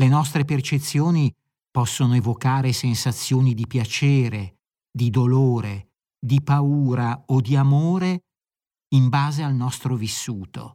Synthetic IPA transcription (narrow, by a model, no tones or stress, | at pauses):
lenɔst̪ɾepert͡ʃet̪sːjoːni | pɔsːonoevokaːɾesensat̪sːjoːnid̪ipjat͡ʃeːɾe | d̪id̪oloːɾe | d̪ipauːɾaod̪iamoːɾe | imbaːzealnɔst̪ɾovisːuːt̪o̰